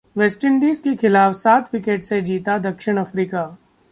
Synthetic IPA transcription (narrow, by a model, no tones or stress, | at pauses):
ʋɛːsʈəɳɖiːzkexɪlaːfsaːt̪ʰwɪkeːʈsed͡ʒiːt̪ad̪ɐkʃɪɽ̃ɐfɾiːkaː